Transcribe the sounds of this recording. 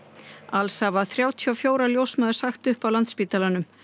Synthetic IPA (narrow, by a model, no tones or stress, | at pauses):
alsavaθɾjaːwt̪ʰiafjoːwɾaljowsmaːðʏɾ̥saxt̪ʏhpawlant̪spiːt̪alanʏm